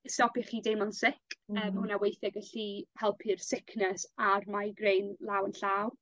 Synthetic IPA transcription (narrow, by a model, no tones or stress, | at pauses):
stɔpiχiːdejmɔnsɪkəːmhʊnawejθɛɡəɬiːhɛlˠpʰirsɪkʰnəsarmaɡrejnlˠaːwənɬaw